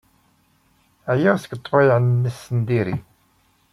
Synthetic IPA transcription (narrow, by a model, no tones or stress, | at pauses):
æjəʁsə̥kət̪ˤːfɑjʕənːəsːənd̪iɾḭ